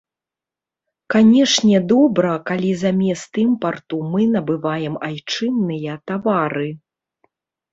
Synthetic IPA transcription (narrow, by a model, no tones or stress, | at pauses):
kanʲɛʂnʲɛd̪ɔbɾɐkalʲizamʲɛst̪ɨmpart̪umɨnɐbɨvajɛmajt͡ʂɨnːɨjɐt̪avaɾɨ